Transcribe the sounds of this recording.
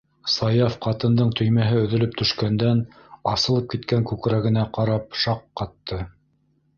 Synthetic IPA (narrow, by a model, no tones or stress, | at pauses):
sɑjɑfqɑt̪ɤ̆nd̪ɤɴt̪ʰɵ̆jmæɦɘɵ̆ðɵ̆lɵp̚t̪ɵ̆ʃkænd̪æn | ɑsɤ̆lˠɤp̚kit̪kæŋkʉkɾæɡɘ̆næqɑɾɑpʃɑqːɑt̪ːɤ